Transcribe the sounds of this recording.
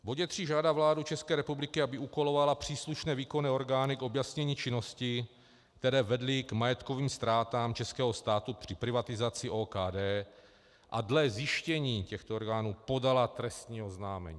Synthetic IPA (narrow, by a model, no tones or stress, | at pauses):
voɟɛt̪r̝̥iːʒaːdavlaːdut͡ʃɛskɛːɾɛpublɪkɪabɪukolovalapr̝̥iːsluʃnɛːviːko̞nɛːo̞ɾɡaːnɪko̞bjasɲɛɲiːt͡ʃɪno̞scɪ | k̚t̪ɛɾɛːvɛdlɪɡmajɛt̪ko̞viːmst̪ɾaːt̪aːmt͡ʃɛskɛːɦo̞st̪aːt̪upr̥ɪpɾɪvat̪ɪzat͡sɪʔoːkaːdɛː | ʔa̰dlɛzjɪʃcɛɲiːcɛxt̪ooɾɡaːnuːpo̞dalat̪ɾɛst̪ɲiːoznaːmɛ̰ɲiː